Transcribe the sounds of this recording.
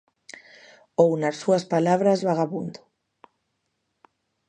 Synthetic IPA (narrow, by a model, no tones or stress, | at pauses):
ownasːuɐspalaβɾazβaɣaβund̪ʊ̥